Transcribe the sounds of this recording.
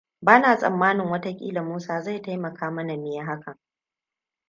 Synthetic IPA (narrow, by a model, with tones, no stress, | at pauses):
baː˦naː˨sʼɐ̰˨mːaː˦nɪ˨ŋwɐ˦ta˦kʲʼḭː˦la˨muː˦saː˦za˦˨jta˦jmɐ˨kʰaː˦mɐ˦na˨mɪ˦ja˦ɦa˦kɐ˨ŋ